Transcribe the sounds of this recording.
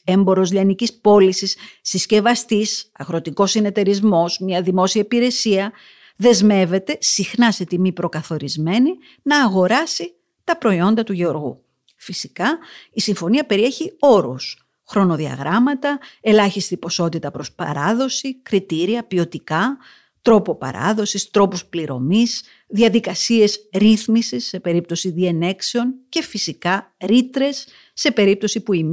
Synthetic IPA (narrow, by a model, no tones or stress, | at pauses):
e̞mbo̞ɾo̞zʎɐnicispo̞lisisːisce̞vɐst̪isɐɣɾo̞t̪iko̞sine̞t̪e̞ɾizmo̞zmɲɐðimo̞siɐipiɾe̞siɐ | ðe̞zme̞ve̞t̪e̞sixnɐse̞t̪imipɾo̞kɐθo̞ɾizme̞ni | nɐːɣo̞ɾɐsi | t̪ɐpɾo̞io̞nd̪ɐt̪uʝeo̞ɾɣṵ | fisikɐisiɱfo̞niɐpe̞ɾie̞çio̞ɾus | xɾo̞no̞ðiɐ̰ɣɾɐmɐt̪ɐe̞lɐçist̪ipo̞so̞t̪it̪ɐpɾo̞spɐ̰ɾɐðo̞sikɾit̪iɾiɐpio̞t̪ikɐ | t̪ɾo̞po̞pɐ̰ɾɐ̰ðo̞sist̪ɾo̞puspliɾo̞̰mis | ðiɐðikɐsie̞zɾiθmisisːe̞pe̞ɾip̚t̪o̞siðie̞ne̞kseo̞nce̞fisikɐɾit̪ɾe̞sː | e̞pe̞ɾip̚t̪o̞sipuim